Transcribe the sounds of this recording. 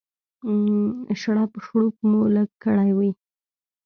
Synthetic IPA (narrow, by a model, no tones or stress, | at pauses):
ʃaɽɑpəʃɽuk̚muləɡkːəɽajwi